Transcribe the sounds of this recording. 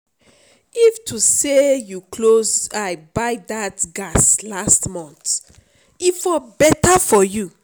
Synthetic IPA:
iftʰusejukʰlozaɪbaɪdatɡaslastmɔ̃nt | ifɔbɛtafɔju

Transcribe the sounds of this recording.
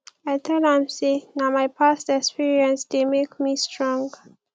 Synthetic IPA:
ajt̪ʰɛlãmsenamajpʰastɛkspiɹiə̃nsdemekmistʰɹɔ̃ŋɡ

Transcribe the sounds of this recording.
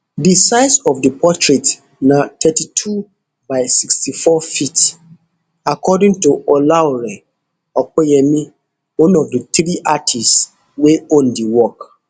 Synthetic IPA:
disaɪsɔvdəpʰɔtʰɹet | natʰɛtitʰu | baɪsikstifɔfit | akɔdĩŋtuʔɔlaɹɛ | ɔk̚ɔjɛmi | wɔ̃nɔvdətɾiʔatʰis | weõndiwɔk

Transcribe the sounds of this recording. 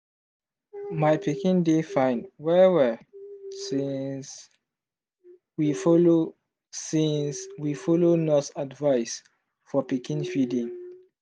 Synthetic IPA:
majpikĩndefãɪnwɛwɛ | sĩs | wifɔlo | sĩnswifɔlonɔsadvaɪs | fɔpikĩnfidĩŋ

